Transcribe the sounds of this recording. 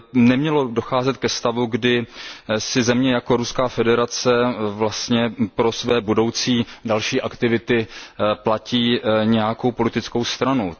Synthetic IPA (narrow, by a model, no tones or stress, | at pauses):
nɛmɲɛlo̞do̞xaːzɛt̪kɛst̪avuɡdɪsɪzɛmɲɛjako̞ɾuskaːfɛdɛɾat͡sɛvlast̪ɲɛpɾo̞svɛːbudo̞wt͡siːdalʃiːʔakt̪ɪvɪt̪ɪplaciːɲɛjako̞wpo̞lɪt̪ɪt͡sko̞wst̪ɾanu